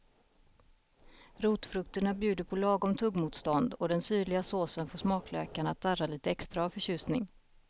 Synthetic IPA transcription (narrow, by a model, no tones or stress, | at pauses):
ɾuːt̪fɾɵkt̪əɳabjʉ̟ːd̪əpʰɔlɑːɡɔmt̪ʰɵɡmuːt̪st̪ɔnd̪ɔd̪ɛnsyːɭɪɡasoːsənfoːʂmɑːklø̰ːkaɳat̪ʰːaraliːt̪əɛkst̪ɾaːvfœɕʉ̟ːsnɪŋ